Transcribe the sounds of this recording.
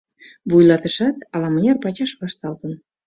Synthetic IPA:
βujlɑt̪əʃɑt̪ɑlɑmə̆nʲɑrpɑt͡ɕɑʃβɑʃt̪ɑlt̪ən

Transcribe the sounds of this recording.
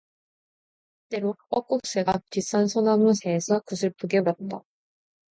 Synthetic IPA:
t͈e̞ɾoʌk͈uk̚s͈eɡatis͈ʰansʰʌnamɯsʰeːsʰʌkɯsʰɯɭpuɡeɾat̚t͈a

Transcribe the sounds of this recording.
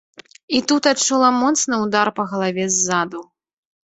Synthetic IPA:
it̪ut̪at͡ʂulˠamɔt̪snɨwd̪arpɐɣɐlˠavʲɛzːad̪u

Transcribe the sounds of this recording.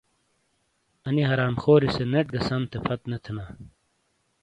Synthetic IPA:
ɐniɦɐɾaːmxoːɾiseneʈ̚ɡɐsɐmt̪ʰepʰɐt̪net̪ʰina

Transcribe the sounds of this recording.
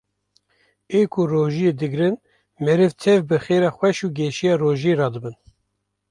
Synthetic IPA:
eːkʰʊroːʒijeːd̪ɨɡɾɨn | mɛɾɨvt̪ʰɛvbɨxeːɾɑːxwɛʃuːɡɛʃijɑːroːʒeɾɑːd̪ɨbɨn

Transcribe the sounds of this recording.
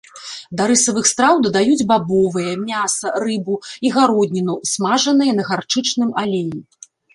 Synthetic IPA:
d̪ɐɾɨsɐvɨxst̪ɾawd̪ɐd̪ajud͡zʲbabɔvɨjɐmʲasɐrɨbuiɣaɾɔd̪ʲnʲinusmaʐɐnɨjɐnɐɣart͡ʂɨt͡ʂnɨmalʲeji

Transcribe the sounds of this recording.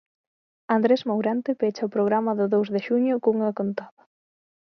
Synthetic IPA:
and̪ɾesmawɾɛnt̪ɪpet͡ʃɐʊpɾoɣ̞ɾamɐðʊðowzðeʃuɲʊkoŋɐkont̪aðɐ

